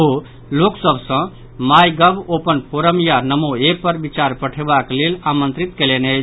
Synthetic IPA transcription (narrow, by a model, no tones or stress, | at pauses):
ɦu | loksəbʱsə̃ | majɡəbopənpʰoɾəmjanəmoepəɾbit͡ʃaɾpəʈʰebaklelamə̃nt̪ɾit̪kelene